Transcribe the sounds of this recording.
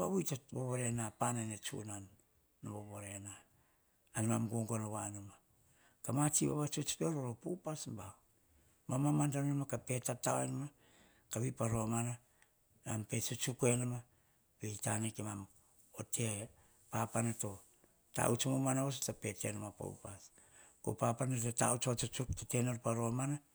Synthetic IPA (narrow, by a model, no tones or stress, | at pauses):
βaβujtoboβoɾenapananet͡ʃṵnanː | oβoβoɾenaː | nmamɡoŋɡonoβanoma | kamat͡ʃiβa̰βat͡ʃot͡ʃpe̞ɾoɾopupasmbao | mamamantannmakape̞tatawenama | kaβipaɾomana | nampe̞t͡ʃut͡ʃukue̞nama | beitanekemam | ote | papanato | ta̰ut͡ʃomomanaos̬otape̞tḛnamapo̰ṵpas | ko̰papanatota̰ut͡ʃot͡ʃot͡ʃuk̚tate̞noɾpaɾo̞mana